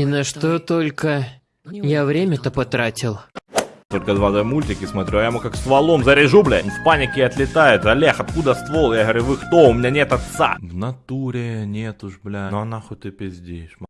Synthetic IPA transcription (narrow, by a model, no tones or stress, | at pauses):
inɐʂt̪o̞t̪o̞lʲkə | javɾʲemʲət̪əpɐt̪ɾatʲɪlˠt̪o̞lʲkəd̪vad̪omulʲtʲɪkʲɪsmɐt̪ɾʲuajɛmukakst̪vɐlˠomzəɾʲɪʐublʲɪnfpanʲɪkʲɪɐt̪lʲɪt̪ajɪt̪zɐlʲexɐt̪kud̪əst̪volˠjaɣəʋɐɾʲuvɨxt̪oʊmʲɪnʲanʲet̪ɐt̪sa̰vnɐt̪uɾʲɪnʲet̪ʊʂblʲanoɐnaxot̚ʲt̪ɨpʲɪzʲdʲeɪʂ